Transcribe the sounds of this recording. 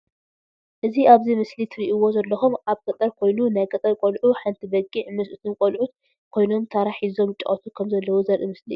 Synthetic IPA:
ʔɨziʔaβzimɨslit̪ʰɨɾiʔiwo̞zɐlːɐxumʔaβkʼɐt̪ʼɐɾkʰo̞jnunajkʼɐt̪ʼɐɾkʼolʕuħant̪ʰibɐɡʼiʕmɨsʔɨt̪ʰɨnkʼolʕut̪ | kʰo̞jno̞mt̪ʰaɾaħizo̞mɨt͡ʃʼːɐ̰χʼɐt̪ʰukʰɐmzɐlːɐwuzɐɾʔɨmɨslḭ

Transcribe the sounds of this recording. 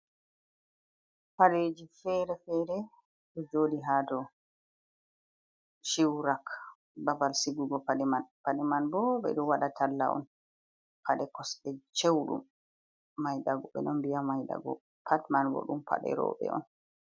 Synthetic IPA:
paɗed͡ʒifɛɾɛfɛːɾɛ | ɗɔd͡ʒoːdiɦaːtɔ | ʃiwɾak | babalsiɡuɡɔpaɗɛmanpaɗɛmanbɔbɛ̰ɗumwaɗatʰalːa̰ʔɔ̰n | paɗɛkɔsɗɛt͡ʃewɗṵmː | ajɗaɡɔɓɛ̰ɗɔnbiamajɗa̰ɡɔ̰ | pʰatmanbɔ̰ɗṵmpʰa̰ɗɛ̰ɾɔ̰ɓɛ̰ʔɔ̰n

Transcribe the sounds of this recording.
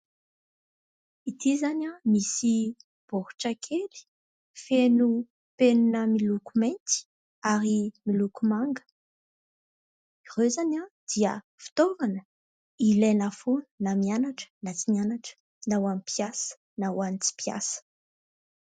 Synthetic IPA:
it̪ʰizanamisi | b̥ohu̥ʈ͡ʂakʰeli̥ | fenu | peninəmilukument̪i̥ | aɾimilukumaŋɡə̥ | iʁøzanad̪̥iə̰ | fi̥t̪ovanə | ilenafunnamianaʈ͡ʂə̥nat͡simianaʈ͡ʂə̥ | nawamipʰjasə̥ | nawanit͡si̥pija̰sə̥

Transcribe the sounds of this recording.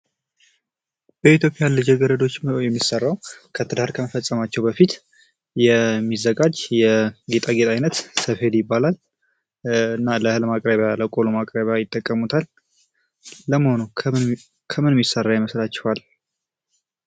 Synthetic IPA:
bəit̪ʰjo̞pʼɪjalɨd͡ʒeɡəɾəd̪o̞t͡ʃːjɛmːisərːawkʰət̪ʰəd̪ahɾkʰəməfəsʼːəmat͡ʃːɛwbəfit̪ | jɛmːizəɡad͡ʒjɛɡe̞t̪ʼaɡet̪ʼajnət̪səfe̞d̪jɪbːalal | ɨnːaləhɨlmakʼɾəβjaləkʼolumakʼɾəβjajɪt̪ʼːəkʼːəmut̪ʰal | əməhonu | kʰəmɨnmjisərːawjɪməslat͡ʃːɛwal

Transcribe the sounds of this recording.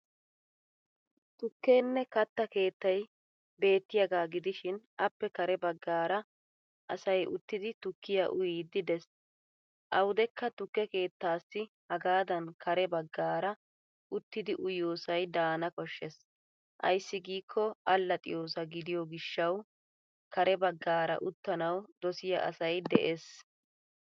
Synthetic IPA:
t̪ʊkːeːnːɛkɐt̪ːɐke̞ːt̪ːɐj | be̞ːt̪ːɪjɐɡaːɡɪd̪ɪʃɪnʔɐpːɛkɐɾɛbɐɡːaːɾɐ | ʔɐsɐjʔʊt̪ːɪd̪ɪt̪ʊkːɪjɐʔʊjiːd̪ɪd̪ɛs | ʔɐwʊd̪ɛkːɐt̪ʊkːɛke̞ːt̪ːaːsːɪ | hɐɡaːd̪ɐnkɐɾɛbɐɡːaːɾɐ | ʔʊt̪ːɪd̪ɪʔʊjoːsɐjd̪aːnɐkɔʃːɛs | ʔɐ̰jsːɪɡiːkʰːɔɐlːɐt̪ʼɪjo̞ːs̬ɐɡɪd̪ɪjɔɡɪʃːɐw | kɐɾɛbɐɡːaːɾɐ̰ʔʊt̪ːɐnɐwd̪ɔsɪjɐ̰ʔɐ̰sɐjd̪ɛ̰ʔes

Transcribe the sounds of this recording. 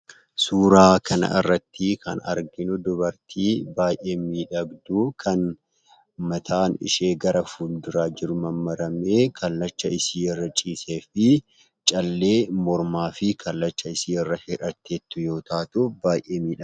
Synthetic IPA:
suːɾaːkʰɐnɐ̰ɪ̰rːɐt̪ʰːikʰɐ̰nɐ̰ɾɡɪnʊd̪ʊbɐɾt̪ʰiːbaːjʔe̞ːmiːᶑɐɡd̪uːkʰɐn | mɐt̪ʰaːnɪ̰ʃe̞ːɡɐɾɐfuːld̪ɪɾaːd͡ʒɪɾʊmɐmːɐɾɐmeːkʰɐlːɐt͡ʃːɐɪsiːɛrːɐt͡ʃʼiːse̞ːfɪ | t͡ʃʼɐlːe̞ːmɔɾmaːfɪkʰɐlːɐt͡ʃːɐɪsiːɛrːɐhɪᶑɐt̪ʰːeːt̪ːʊjo̞ːt̪aːt̪ʊbaːjʔeːmiːᶑɐ

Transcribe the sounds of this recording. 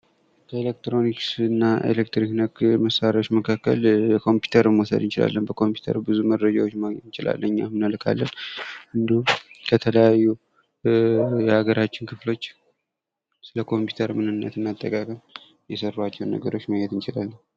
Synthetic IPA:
kʰəelek̚t̪ɾo̞niksɨnːaʔḛlek̚t̪ɾiknəkməsaɾawot͡ʃːməkʰakːə̰ljɛkʰo̞mpju̥t̪ʰəɾɨmːwɔsə̰d̪ɨnt͡ʃɪla̰lːənbəkʰo̞mpʰu̥t̪ʰə̰ɾubɨzuməd̪ɾəd͡ʒa̰wo̞t͡ʃːmɨnt͡ʃɪla̰lːəɲːamɨnəlkʰa̰lːənhɨnd̪əhumkʰət̪ʰələjajːu | jɛaɡəɾat͡ʃːɪnkʰɨflo̞t͡ʃː | sɨləkʰo̞mpju̥t̪ʰəɾmɨnɨnːə̰t̪ɨnːat̪ʼːəkʼakʼəm | jɛsərːat͡ʃːɛwnːə̰ɡəɾo̞t͡ʃːməjɛt̪ɨnt͡ʃɪlalːəɲ

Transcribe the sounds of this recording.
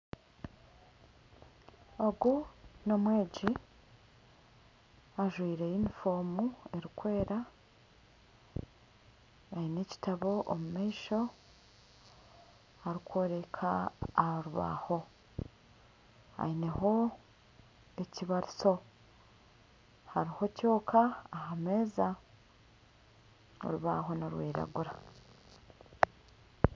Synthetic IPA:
o̞ɡuno̞mwe̞ːɟi | aʒwiːɾe̞jinifo̞ːmue̞ɾikwe̞ːɾa | aine̞ci̥taβo̞ʔomumaiʃo̞ | aɾikwoːɾe̞kʰaoɾuβa̰ho̞ | a̰ine̞ho̞ | e̞ciβaɾiso̞ | haɾiho̞co̞ːkʰaːhame̞ːza | o̰ɾuβaɦo̞noɾwiːɾa̰ɡuɾa

